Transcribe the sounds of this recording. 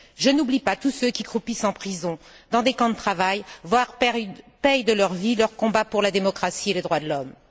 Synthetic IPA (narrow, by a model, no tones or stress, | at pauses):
ʒənublipat̪usøkʲikχupisɑ̃pχizɔ̃ | d̪ɑ̃d̪ekɑ̃d̪ət̪χavajvwaʁɛpɛjd̪əlœʁvilœʁkɔ̃bapuʁlad̪emɔkχasieled̪ʁwad̪əlɔm